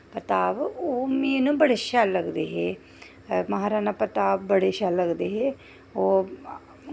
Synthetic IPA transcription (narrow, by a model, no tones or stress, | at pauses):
pət̪aːboːmẽːnũːbəɽeːʃaːllːəɡd̪eːɦeː | məɦaːɾaːnaːpət̪aːbbəɽeːʃaːləɡd̪eːɦeː | oː